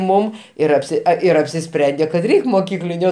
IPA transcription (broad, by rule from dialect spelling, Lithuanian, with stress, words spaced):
ˈmʊm ˈɪr ɐpʲˈsʲɪ ɪr ɐpʲsʲɪˈsʲpʲrʲɛnʲdʲeː kɐt ˈrʲɛɪkʲ moːˈkʲiːklʲɪnʲʊ